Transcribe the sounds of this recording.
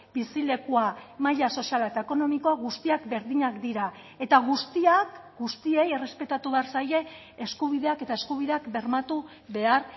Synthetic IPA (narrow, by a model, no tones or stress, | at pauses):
bisile̞kuamaʎaso̞sialaet̪ae̞ko̞no̞miko̞aɣust̪iakbe̞ɾðiɲakd̪iɾa | e̞t̪aɣ̞ust̪iakɡust̪ie̞jere̞spe̞t̪at̪uβe̞aɾsaje̞ː | skuβiðe̞ake̞t̪aeskuβ̞iðe̞akbe̞ɾmat̪u | βe̞aɾ